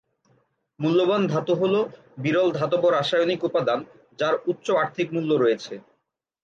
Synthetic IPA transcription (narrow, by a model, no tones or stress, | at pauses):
mulːoband̪ʱat̪oɦolo | biɾɔld̪ʱat̪̬oboɾaʃajonikupːad̪an | d͡ʑaɾut̪ːɕoaɾt̪ʰikmulːoɾɔjet͡ɕʰe